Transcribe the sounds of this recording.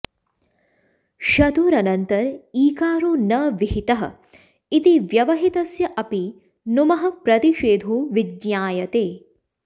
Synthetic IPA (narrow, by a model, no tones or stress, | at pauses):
ʃɐt̪uːɾɐnɐnt̪ɐɾiːkaːɾoːnɐʋiɦit̪ɐɦɐ̰̆ | it̪iʋjɐʋɐɦit̪ɐsjɐʔɐpi | numɐɦɐ̆pɾɐt̪iʃeːd̪ʱoːʋidɲjaːjɐt̪eː